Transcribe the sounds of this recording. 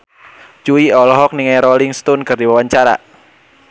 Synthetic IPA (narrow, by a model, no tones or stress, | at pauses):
t͡ʃuiɔlɔɦɔk̚niŋajɾoliŋst̪unkɨrdiwawaɲt͡ʃaɾa̰